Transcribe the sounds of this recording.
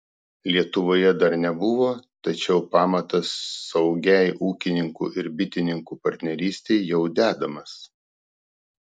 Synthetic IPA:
lʲiɛt̪ʊʋoːjɛd̪ɐɾnʲɛbʊʋoːt̪ɐt͡ʃʲɛʊpɑːmɐt̪ɐsːɐʊɡʲɛˑɪʔuːkʲɪnʲɪŋkṵːʔɪɾbʲɪt̪ʲɪnʲɪŋkuːpɐɾʲt̪ʲnʲɛɾʲiːsʲt̪ʲɛɪjɛʊd̪ʲæːd̪ɐmɐs

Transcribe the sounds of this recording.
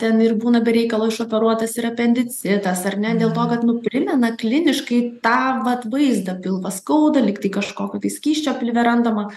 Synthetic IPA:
t̪ʲɛnɪrbuːnɐbʲɛɾʲɛɪkɐlˠoːɪʃoːpʲɛɾuɔt̪ɐsɪɾɐpʲɛnʲd̪ʲɪt͡sʲɪd̪ɐsɐrnʲɛd̪ʲeːlˠt̪oːkɐt̪nʊpʲɾʲɪmʲɛnɐklʲɪnʲɪʃkɐɪt̪ɑːʋɐt̪ʋɐɪzd̪ɐpʲɪlˠʋɐskɐʊd̪ɐlʲɪkt̪ɐɪkɐʃkoːkʲoːt̪ɐɪsʲkʲiːʃʲt͡ʃʲoːpʲɪlʲʋʲɛɾɐnd̪ɐmɐ

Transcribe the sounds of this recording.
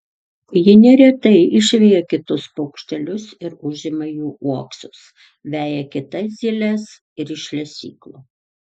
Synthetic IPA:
jɪnʲɛɾʲɛt̪ɐɪɪʃʲʋʲɛjɛkʲɪt̪ʊspʊkʃʲt̪ʲɛlʲʊsɪɾʊʒʲɪmɐjuːʔuɔksʊs | ʋʲæːjɛkʲɪt̪ɐzʲɪlʲɛs | ɪɾɪʃʲlʲɛsʲḭːklˠo

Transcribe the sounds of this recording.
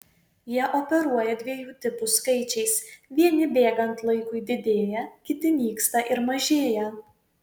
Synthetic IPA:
jiɛʔopʲɛɾuɔjɛd̪ʲʋʲiɛjuːt̪ʲɪpʊskɐɪt͡ʃʲɛɪsʋʲiɛnʲɪbʲeːɡɐnt̪lˠɐɪkʊɪd̪ʲɪd̪ʲeːjɛkʲɪt̪ʲɪmʲiːkst̪ɐʔɪɾmɐʒʲeːjɛ

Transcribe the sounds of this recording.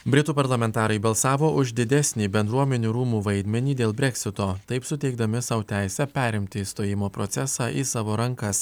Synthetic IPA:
bʲɾʲɪt̪uːpɐɾlˠɐmʲɛnt̪ɑːɾɐɪbɐlˠsɑːʋoːʔʊʒd̪ʲɪd̪ʲɛsʲnʲiːbʲɛnd̪ɾuɔmʲɛnʲuːɾuːmuːʋɐɪd̪ʲmʲɛnʲiːd̪ʲeːlˠbʲɾʲɛkʲsʲɪt̪oːt̪ɐɪpsʊt̪ʲɛɪɡd̪ɐmʲɪsɑʊt̪ʲæˑɪsʲɛpʲæːɾʲɪmʲt̪ʲɪst̪oːjɪmoːpɾot̪sʲɛsɑːʔisɑːʋoːɾɐŋkɐs

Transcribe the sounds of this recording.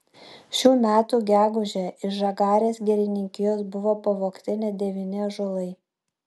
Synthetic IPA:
ʃʲuːmʲæːt̪uːɡʲæːɡʊʒʲɛːɪʃʒɐɡɑːɾʲeːsɡʲɛɾʲɪnʲɪŋʲkʲɪjoːsbʊʋoːpɐʋoːkt̪ʲɪnʲɛd̪ʲɛʋʲɪnʲɪɐʒʊlˠɐɪ

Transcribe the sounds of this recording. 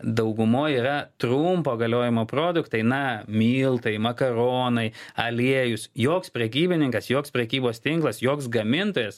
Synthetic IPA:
d̪ɐʊɡʊmoːjiːɾɐt̪ɾʊmpoːɡɐlʲoːjɪmoːpɾoːd̪ʊkt̪ɐɪnɐmʲiːlˠt̪ɐɪmɐkɐɾoːnɐɪɐlʲiɛjʊsjoːkspʲɾʲɛkʲiːbʲɪnʲɪŋkɐsjoːkspʲɾʲɛkʲiːboːst̪ʲɪŋklˠɐsjoːksɡɐmʲɪnt̪oːjɛs

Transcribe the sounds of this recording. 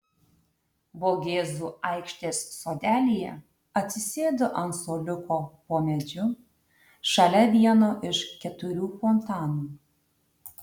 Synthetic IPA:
boːɡʲeːzuːɐˑɪkʃʲt̪ʲeːsːoːd̪ʲæːlʲijɛ̰ | ɐt̪ʲsʲɪsʲeːd̪oʔɐnsoːlʲʊkoːpoːmʲɛd͡ʒʲʊ | ʃɐlʲɛʋʲiɛnoːʔɪʃkʲɛt̪ʊɾʲuːfɔnt̪ɑːnuː

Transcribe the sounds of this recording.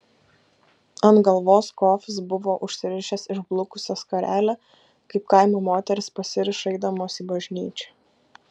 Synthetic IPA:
ɐnɡɐlˠʋoːskoːfʲɪs̬bʊʋoːʔʊʃʲsʲɪɾʲɪʃʲɛsɪʒblˠʊkʊsʲɛskɐɾʲæːlʲæ | kɐɪp̚kɑɪmʲuːmoːt̪ʲɛɾʲɪspɐsʲɪɾʲɪʃɐɪd̪ɐmoːsibɐʒʲnʲiːt͡ʃʲɛ̥

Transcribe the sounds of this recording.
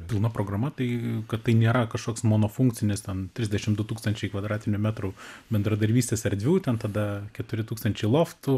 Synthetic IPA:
pʲɪlˠnɐpɾoːɡrɐmɐt̪ɐɪkɐt̪t̪ɐɪnʲeːɾɐkɐʃkoːksmoːnoːfʊŋk̚t͡s̪ʲɪnʲɪst̪ʲɛnt̪ʲɾʲɪzdʲɛʃʲɪmd̪ʊt̪uːkst̪ɐnʲt͡ʃʲɛɪkʋɐd̪ɾɑːt̪ʲɪnʲʊmʲæt̪ɾʊbʲɛnd̪ɾɐd̪ɐɾʲbʲiːsʲt̪ʲeːsɐɾʲd̪ʲʋʲuːt̪ʲɛnt̪ɐd̪ɐkʲɛt̪ʊɾʲɪt̪uːkst̪ɐnʲt͡ʃʲɛɪlˠoːft̪ʊ

